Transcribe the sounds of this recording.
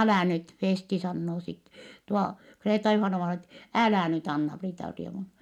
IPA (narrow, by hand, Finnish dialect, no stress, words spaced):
ælæˑ nyt feːsti sɑnːoː sit tuo kreːtɑjuhɑnɑʋɑinɑ et ælæˑ nyt ɑnːɑpriːtɑrieʋun